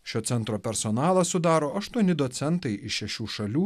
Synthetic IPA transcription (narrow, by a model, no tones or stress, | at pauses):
ʃʲoːt̪sʲɛnt̪ɾoːpʲɛɾsɔnɑːlˠɐssʊd̪ɑːɾoːʔɐʃt̪uɔnʲɪd̪ɔt̪sʲɛnt̪ɐɪɪʃʲɛʃʲuːʃɐlʲuː